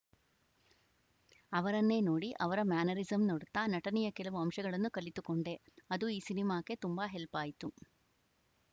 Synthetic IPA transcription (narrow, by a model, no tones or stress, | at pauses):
ɐʋɐɾɐnːe̞ːnoːɽiʔɐʋɐɾɐmaːnɐɾizɐmnoɽut̪ːaːnɐʈɐnɛjɐkɛlɐʋuɐmʂɐɡɐɭɐnːukɐlit̪ukoɳɖe̞ɐd̪uiːsinimaːke̞t̪umbaɦelpaːjit̪u